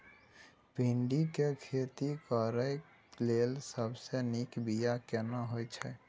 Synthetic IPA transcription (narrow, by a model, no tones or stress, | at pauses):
piɳɖikekʰet̪ikəɾəj | lelsəbsenikbijakɛnaɦojt͡ʃʰɛ